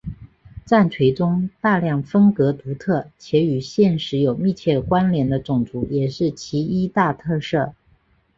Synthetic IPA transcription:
t͡sa˥˩nt͡sʰwe˧˥ɪʈ͡ʂʊ˥ŋt̪a˥˧ljɑ˥˩ŋfə˥ŋkɤ˧˥t̪u˧˥t̪ʰɤ˥˩t͡ɕʰjɛ˧˥y˨˩ɕjɛ˥˩nʂɻ̩˧˥jo˨˩ʊmi˥˧t͡ɕʰjɛ˥˩kwa˥nljɛ˧˥nd̪ə˧ʈ͡ʂʊ˨˩ŋt͡su˧˥jɛ˨˩ʂɻ̩˥˩t͡ɕʰi˧˥i˥t̪a˥˧t̪ʰɤ˥˧ʂɤ˥˩

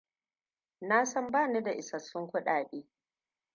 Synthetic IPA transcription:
na˦sɔ˦mbaː˦˨ni˦da˨ʔɪ˨sɐ˨sːʊ˦ŋkʷʊ˦ɗaː˨ɗiː˦

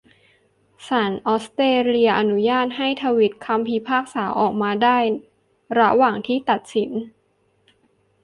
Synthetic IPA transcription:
saː˩˦nʔɔː˦˥st̪eː˧li˧ɐʔa˧nu˦˥jaː˥˩t̪̚ɦa˥˩jt̪ʰaː˧wi˦˥t̪̚kʰa˧mpʰiː˧pʰaː˥˩k̚saː˩˦wʔɔː˨˩k̚maː˧daː˥˩j | ɾa˦˥waː˨˩ŋt̪ʰiː˥˩t̪a˨˩t̪̚si˩˦n

